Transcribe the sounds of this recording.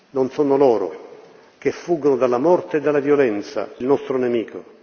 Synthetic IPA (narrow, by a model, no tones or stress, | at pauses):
nɔnsɔnʊlɔːɾʊ̰ | k̟efːuːɡonʊd̪alːamɔrt̪eed̪ːalːavjolɛnt̪sa̰ilnɔst̪ɾʊnɛmiːko